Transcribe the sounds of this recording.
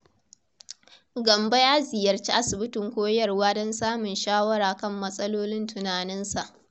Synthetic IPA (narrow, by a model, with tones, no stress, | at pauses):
ɡɐ˨mba˦jaː˦zɪ˨jɐ˨rt͡ʃi˦ʔa˦sɪ˨bɪ˦tɪ˨ŋkʷoː˦jɐ˦˨rwaː˦dɔ˦nsaː˦mʊ˨nʃaː˦wɐ˦ɾaː˨kɐ˦˨mːɐ˦sʼɐ˦loː˦lɪ˦ntʊ˨naː˨nɪ˦nsa˨ʔ